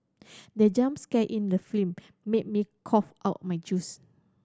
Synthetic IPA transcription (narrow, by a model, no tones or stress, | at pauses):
dɛd͡ʒãmskɛʔĩndəflĩmː | et̚mikʰɔfʔaʊt̚majd͡ʒus